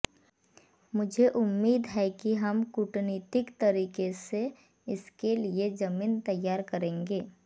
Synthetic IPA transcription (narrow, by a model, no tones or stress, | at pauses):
mʊd͡ʒʱeʔʊmːiːd̪ɦɛkiɦɐmkʊʈniːt̪ɪkt̪ɐɾiːkese | ɪskelied͡ʒɐmiːnt̪ɐjːaːɾkɐɾẽːŋɡeː